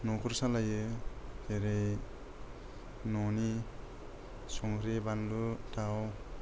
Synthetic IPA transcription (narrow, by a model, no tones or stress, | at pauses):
nɔkʰuɾsalajɯkeɾej | nɔni | sɔŋkɾebanlutʰaw